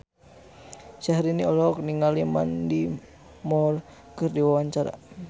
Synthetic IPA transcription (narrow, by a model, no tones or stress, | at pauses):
sahɾiniɔlɔk̚niŋalima̰ndi | mɔr | kərdiwawaɲt͡ʃaɾa̰